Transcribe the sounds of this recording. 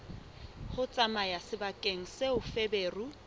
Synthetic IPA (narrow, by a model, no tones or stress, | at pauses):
hʊt͡sʼamajasɪbakʼeŋ̩seʊfebeːru